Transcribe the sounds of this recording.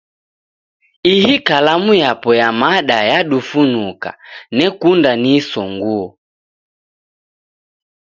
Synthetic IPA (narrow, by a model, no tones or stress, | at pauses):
ihikalamujapɔjamaɗajaɗufunuka̰nɛkundanisɔŋɡuɔ